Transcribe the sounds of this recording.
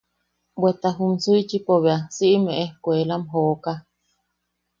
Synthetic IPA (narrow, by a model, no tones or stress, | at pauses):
bwet̪aɦumsuit͡ʃipoβeasiʔimeʔehkwelamɦoːʔka